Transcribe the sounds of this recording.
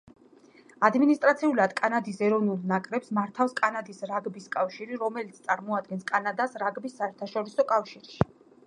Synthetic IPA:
ad̪minist̪ʼɾat̪sʰiulad̪kʼanad̪isɛɾɔvnulˠnakʼɾɛpsmaɾt̪ʰafskʼanad̪isɾaɡbiskʼafʃiɾiɾɔmɛlit̪sʰt̪sʼaɾmɔad̪̚ɡɛnskʼanad̪asɾaɡbisːaɛɾt̪ʰaʃɔɾisɔkʼafʃiɾʃi̥

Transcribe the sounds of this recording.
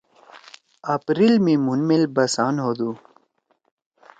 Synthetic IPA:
ɐpɾilmĩmunmelbɐsaːnɦoːd̪uː

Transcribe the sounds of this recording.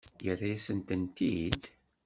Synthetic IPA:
jərːasənt̪ənt̪id̪

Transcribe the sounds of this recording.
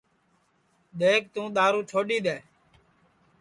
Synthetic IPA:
ɗ̪eːk̚t̪ũːɗ̪aːɾũːt͡ʃʰoːɗiːɗ̪eː

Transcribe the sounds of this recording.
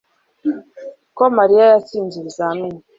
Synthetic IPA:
kɔmaɾiajasind͡ʒiɾizanũ

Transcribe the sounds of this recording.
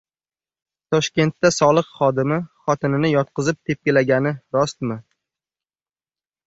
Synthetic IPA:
t̪ʰɒʃkʲe̞nt̪ːasɒlˠɨqχɒd̪ɪmɪχɒt̪ʰɪnɪnɪjɒt̪̚qʰɨzɪp̚t̪ʰe̞p̚kʲelaɡʲanɪɾɒst̪mɪ

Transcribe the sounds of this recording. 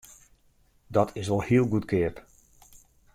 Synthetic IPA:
dɔtʰɪsʋɔlˠhiəlˠɡutkɪəp

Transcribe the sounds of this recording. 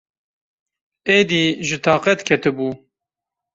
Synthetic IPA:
eːd̪iːʒɨt̪ʰɑːqɛt̪kʰɛt̪ʰɨbuː

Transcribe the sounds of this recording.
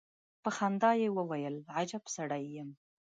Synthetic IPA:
pəxand̪ɑjewəwajəlʕad͡ʒapsaɽajːəm

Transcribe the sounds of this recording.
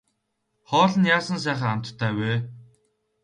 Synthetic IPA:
χɔːɮə̆njaːsə̆ns̬æːχiːam̥t̪t̪ʰːæːweː

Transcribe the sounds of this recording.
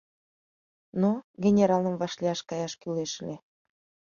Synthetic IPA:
noɡʲenʲeɾɑləmvɑʃliɑʃkɑjɑʃkyleʃlʲe

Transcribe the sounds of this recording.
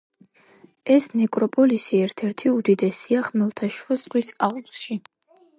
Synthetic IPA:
ɛsnɛkʼɾɔpʼɔlisiɛɾt̪ʰɛɾt̪ʰiud̪id̪ɛsiaχmɛlˠt̪ʰaʃɔzʁwisausʃi

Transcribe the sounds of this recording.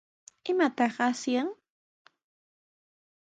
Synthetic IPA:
ɪmat̪ɑχasjaŋ

